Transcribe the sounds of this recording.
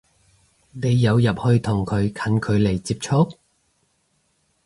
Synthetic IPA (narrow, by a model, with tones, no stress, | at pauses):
ne˨˧jːɐ˨˧wjɐ˨p̚hɵ˧ɥt̪ʰʊ˨˩ŋkʰɵ˨˧ɥkʰɐ˨˧˥nkʰɵ˨˧ɥle˨˩jt͡siː˧p̚t͡ʃʰʊ˥k̚